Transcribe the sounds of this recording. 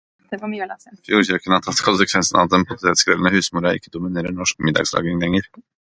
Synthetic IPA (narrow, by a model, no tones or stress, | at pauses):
d̪ɛfjuːɾɕœkənɑt̪ʰɑt̪ːkʰʊnsəkʰʋɛnsənɑ̰ʋd̪ɛnpʰɔt̪ʰeːt̪skɾɛlnəhʉːsmuːɾɑɪ̰kːəd̪ʊmɪneːɾəɳɔʂkmɪd̪ɑ̰ɡslɑ̰ːɡɪŋlɛŋːəɾ